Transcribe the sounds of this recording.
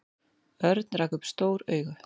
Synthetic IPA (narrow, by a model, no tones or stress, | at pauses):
œɾt̪nraːkʏpst̪oːwɾœ̰ːɥɣʏ